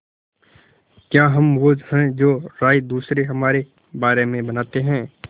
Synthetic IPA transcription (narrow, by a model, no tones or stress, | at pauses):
kjaːɦɐmʋohɛ̃d͡ʒoːɾaːjd̪uːsɾeɦɐmaːɾe | baːɾemẽbɐnaːt̪eɦɛ̃ː